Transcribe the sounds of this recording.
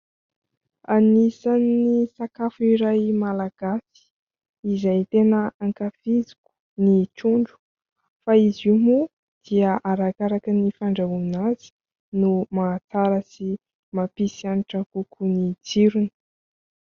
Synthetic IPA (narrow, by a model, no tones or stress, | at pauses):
anisanːisakafuiɾajmalaɡ̥asi̥ | izajt̪enəaŋkafizi̥ku̥ | nit͡ʃuɳɖ͡ʐu̥ | faizimu | d̪̥iəʔaɾakaɾakənifaɳɖ͡ʐaɦuminazi̥ | numat͡saɾəsi | mapisianiʈ͡ʂakukʰunid͡ziɾunə̥